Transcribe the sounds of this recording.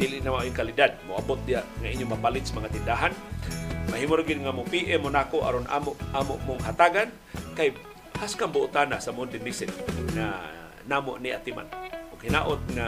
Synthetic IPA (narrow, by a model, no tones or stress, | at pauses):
d̪ilɪʔnamaʔiŋkalidad̚mʊʔabʊt̪̚d̪iaʔŋaʔiɲjomapalɪt̪samaŋat̪ɪndaɦan | maɦimʊɾaɡɪd̪ŋamʊpiʔɛmʊnakoʔa̰ɾonʔa̰moʔʔamoʔmʊŋɦat̪aɡan | kaj | haskambʊʔʊt̪anasamʊnd̪ɪnisɪnŋa̰ | namo̰ʔniʔa̰t̪ima̰nʔʊɡhinaʔʊt̪̚ŋa